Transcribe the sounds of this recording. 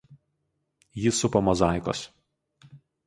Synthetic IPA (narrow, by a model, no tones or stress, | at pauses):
jɪsʊpɐmɔzɑˑɪko̰s